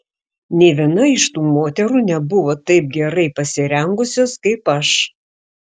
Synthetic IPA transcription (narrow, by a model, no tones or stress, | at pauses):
nʲɛɪʋʲiɛnɐɪʃt̪uːmoːt̪ʲɛɾuːnʲɛbʊʋoːt̪ɐɪp̚ɡʲɛɾɐɪpɐsʲɪɾʲɛŋɡʊsʲoːskɐɪpɐʃ